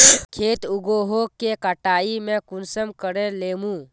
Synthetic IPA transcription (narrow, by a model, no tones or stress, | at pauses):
kʰeːt̪uɡoɦokekəʈaːimẽkʊnsəmkəɽeleːmũː